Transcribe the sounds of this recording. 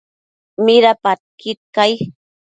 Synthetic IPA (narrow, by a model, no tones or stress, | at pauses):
mɪɾapat̪̚kit̪̚kaj